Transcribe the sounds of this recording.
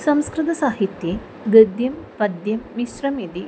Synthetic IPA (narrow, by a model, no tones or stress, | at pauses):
sɐmskɾɨt̪ɐsaːɦit̪je | ɡɐd̪jɐmpɐd̪jɐmːisɾɐmid̪i